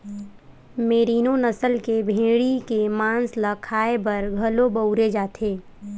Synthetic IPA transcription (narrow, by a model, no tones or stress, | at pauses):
meːɾiːnonəsəlkebʱẽːɽikemãːnsləkʰaːebɐɾɡʱɐlobəʊɾed͡ʒaːt̪ʰeː